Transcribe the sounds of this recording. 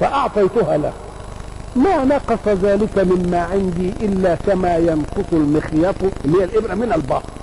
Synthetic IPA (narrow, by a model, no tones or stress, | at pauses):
faʔɑʕt̪ˤɑjt̪ʊhaːla | maːnɑqɑsˤɑðaːlɪkamɪmmaːʕɪnd̪iːʔɪlːaːkamaːjɑnqʊsˤʊlmɪxjɑt̪ˤɪnːhɪjːælʔɪbɾamɪnalbɑ̰ːhɾˤ